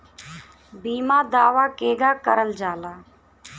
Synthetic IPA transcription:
biːmãːd̪aːʋaːkeːɡaːkəɾəld͡ʒaːlaː

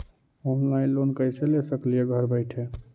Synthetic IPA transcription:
oɦaĩlonkəɪselesəklijeɡʱəɾbəɪʈʰe

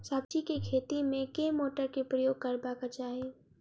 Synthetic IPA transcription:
sabt͡ʃikekʰeːt̪imẽkeːmoːʈəɾkepɾɐjoːɡ̚kɐɾbakat͡ʃaːɦe

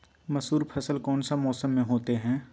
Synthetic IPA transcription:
mɐsuːɾpʰɐsəlkɔːnsamɔːsəmːẽɦoːt̪eɦɛ̃ː

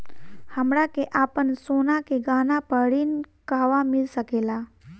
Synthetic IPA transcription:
həmɾakeʔaːpənsoːnakeɡaːnapəɽinkaːʋamɪlsəkeːla

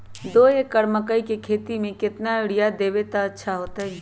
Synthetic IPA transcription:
d̪oːekːəɾməkəikekʰeːt̪imẽkɪt̪naɪɽijad̪eːʋet̪aɐtːʃʰaɦoːt̪aɦɛ

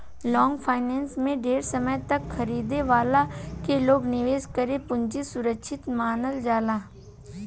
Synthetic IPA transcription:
lɔ̃ːŋɡpʰaːɪnɛːnsmẽɖeːɾsəməjt̪ɐkxɐɾiːd̪eʋaːlakeloːɡnɪʋeːskəɾepʊ̃nt͡ʃisʊɾəkʃʰɪt̪maːnəld͡ʒaːlaː

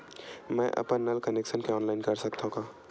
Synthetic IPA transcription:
mɛ̃ʔɐ̰pənːɐlkəneːkʃənkeɔːnlaːɪnkɐɾsɐk̚t̪aɦũkaː

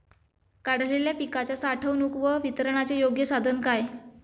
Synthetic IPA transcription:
kaɽ̤leljapikat͡ɕjasaʈʰəwnukʋəʋit̪əɾəɳ̃at͡ɕejoɡjəsad̪ʱənkaj

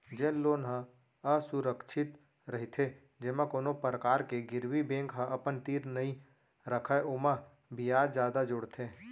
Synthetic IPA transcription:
d͡ʒẽnloːnɦə̃ | əsʊɾəkʃʰɪt̪ | ɾəɦit̪ʰe | d͡ʒeːmãkoːnopəɾəkaːɾkeɡɪɾwibẽːŋkɦə̃ʔəpənt̪iːɾnəĩ | ɾəkʰəʔoːma | bijaːd̪d͡ʒjaːd̪ad͡ʒʊɽt̪ʰeː

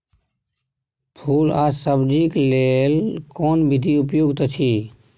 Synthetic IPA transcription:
pʰuːlasəbd͡ʒiklelkɔːnbɪd̪ʱiʊpjoːɡt̪ət͡ʃʰiː

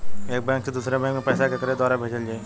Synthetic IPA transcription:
eːk̚bɛ̃ːŋksed̪uːsɾebɛ̃ːŋkmẽpɛːsakekəɾed̪ɔːɾabʱeːd͡ʒəld͡ʒaːe

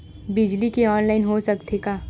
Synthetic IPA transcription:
bɪd͡ʒlikeɔːnlaːɪnɦosɐkt̪ʰekaː

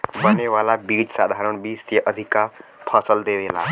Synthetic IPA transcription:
bəneʋaːlabiːd͡ʒsaːd̪ʱaːɾəɽ̃biːst̪jəʔəd̪ʱikapʰəsəld̪eːʋeːla̰ː

